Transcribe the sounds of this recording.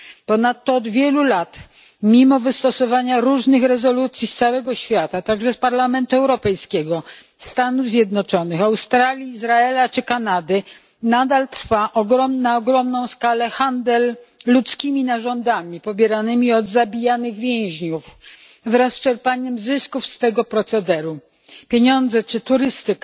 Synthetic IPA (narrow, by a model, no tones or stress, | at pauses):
pɔnat̪ːɔːd̪vʲjɛlulat̪ | mʲimɔvɘst̪ɔsɔvaɲaɾuʐnɘxɾɛzɔlut̪sʲjist̪sawɛɡɔɕfʲjat̪at̪aɡʐɛspaɾlamɛnt̪uɛwɾɔpɛjskʲɛɡɔ | st̪anuvzʲjɛd̪nɔt͡ʂɔnɘxawst̪ɾalʲjiːzɾaɛlat͡ʂɘkanad̪ɘ | nad̪alt̪ɾfaʔɔɡɾɔmnaɔɡɾɔmnɔ̃w̃skalɛxand̪ɛlːut̪skʲimʲinaʐɔnd̪amʲipɔbʲjɛɾanɘmʲiɔd̪zabʲijanɘɣvʲjɛ̃w̃ʑɲuf | vɾasːt͡ʂɛɾpaɲɛmzɘskufst̪ɛɡɔpɾɔt̪sɛd̪ɛɾu | pʲjeɲɔnd̪zɛt͡ʂɘt̪uɾɘst̪ɘka